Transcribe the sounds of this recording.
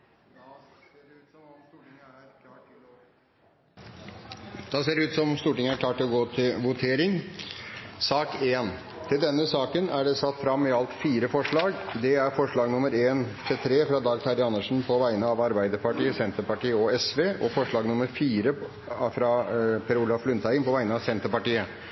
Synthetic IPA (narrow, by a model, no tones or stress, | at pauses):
eːɖʉːt̪sɔst̪uːʈɪŋækʰlɑːʈɪ | d̪̥ɑseːɖɛʉːt̪sɔmst̪uːʈɪŋəæɾkʰlɑːʈɪlɔɡoːt̪ʰɪlʋʊt̪ʰeːɾɪŋ | sɑːkeːn | t̪ʰɪld̪ɛnːəsɑːkənæɖɛsɑt̪ːfɾɑmːɪɑlt̪fiːɾəfɔʂɭɑːɡd̪ɛæɾfɔʂɭɑːɡnʊməɾeːnt̪ʰɪlt̪ʰɾeːfɾɑd̪ɑːɡt̪ʰɑɾɪɑnːəʂn̩pʰɔʋæɪnəɑʋɑɾbæɪd̪əɾpɑʈiːəsɛnt̪əɾpɑʈiːəɔɛsʋeːʔɔfɔʂɭɑːɡnʊməɾfiːɾə | fɾɑpʰɛɾuːlɑflʉnt̪ʰæɪnpʰɔʋæɪənəɑʋsɛnt̪əɾpɑʈiːə